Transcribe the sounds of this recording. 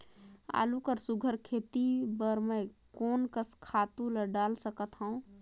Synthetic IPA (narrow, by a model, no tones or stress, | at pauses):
a̰ːlukəɾsuɡʱəɾkʰet̪ibəɾme | koːnkəskʰaːt̪ũləɖaːlsəkət̪ɦə̃ũ